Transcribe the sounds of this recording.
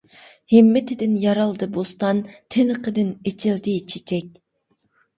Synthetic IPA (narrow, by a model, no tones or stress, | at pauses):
hɪmːɪt̪ʰɪd̪ɪnjɑɾɑlˠd̪ɨbost̪ɑnt̪ʰɪnɨqʰəd̪ɪnet͡ʃʰɪld̪ɪt͡ʃʰit͡ʃʰɛk̚ʲ